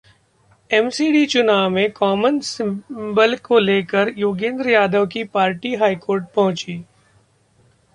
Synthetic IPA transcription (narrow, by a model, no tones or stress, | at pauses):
ɛmsiːɖit͡ʃʊnaːʋmẽkɔːmənsɪ̃bəlkoleːkəɾjoːɡẽːnd̪ɾəjaːd̪əʋkipaːɾʈiɦaːikoːɾʈ̚pɐɦʊ̃t͡ʃiː